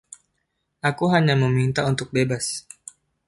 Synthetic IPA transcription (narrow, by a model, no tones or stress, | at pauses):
ʔakuɦaɲaməmint̪aunt̪ʊk̚bebas